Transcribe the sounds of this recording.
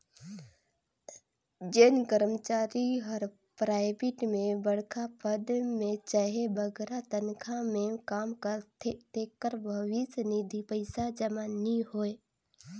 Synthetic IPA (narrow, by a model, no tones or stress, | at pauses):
d͡ʒenkəɾmət͡ʃaːɾiɦɔɾ | pɾaːɪbɪʈmẽbəɽkʰapəd̪mẽt͡ʃaɦebəɡɾat̪ənkʰamẽkaːmkət̪ekːəɾbʱəʋɪsnid̪ʱipəɪsad͡ʒəmaːniɦoːe